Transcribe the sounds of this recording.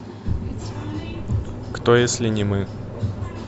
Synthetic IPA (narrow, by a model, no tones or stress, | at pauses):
kt̪ojesʲlʲɪnʲɪmɨ